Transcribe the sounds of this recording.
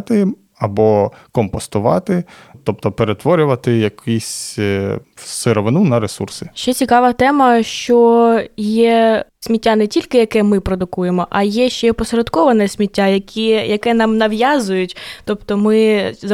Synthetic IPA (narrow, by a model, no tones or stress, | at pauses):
t̪ɪ | ɐbɔkɔmpɔst̪ʊʋɑ̰t̪ɪt̪ɔp̚t̪ɔpeɾet̪ʋɔɾʲʊʋɐt̪ɪjɐkʰisʲ | seɾɔʋɪnunɐɾesṵrsɪ̥ʃt͡ʃɛt͡sʲikɑʋɐt̪ɛmɐʃt͡ʃɔjɛsʲmʲitʲːanɛtʲilʲkɪjɐkɛmɪpɾɔd̪ʊkujemɔʔɐjɛʃt͡ʃɛpɔsɾɐd̪kɔʋɐnɛsʲmʲitʲːajɐkʲʰijɐkɛnɑmnɐʋjɑzʊjʊtʲt̪ɔpt̪ɔmɪz